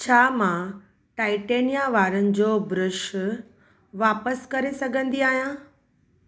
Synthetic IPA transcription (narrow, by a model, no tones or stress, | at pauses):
t͡ɕʰaːmã | ʈaːɪʈeːnijaʋaːɾənɪ̆d͡ʑoːbɾʊʃ | ʋaːpəskɐɾesɐɡʱə̃nd̪iaːɦijãː